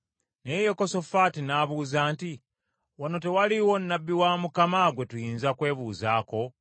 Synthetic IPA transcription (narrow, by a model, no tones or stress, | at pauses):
nejekoso̞fatinaβuːzaːnti | wano̞te̞waliwo̞nːabːiwamukamaɡwe̞tujiːnzakwe̞ːβuːzaːko̞